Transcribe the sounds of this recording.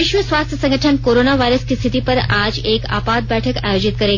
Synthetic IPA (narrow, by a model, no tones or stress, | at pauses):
ɪʃʋəsʋast̪ʰjəsə̃ŋɡəʈʰənkoɾonaʋajɾəskist̪ʰit̪ipəɾad͡ʒeːka̰ːpad̪̚bɛʈʰəka̰jod͡ʑit̪kəɾe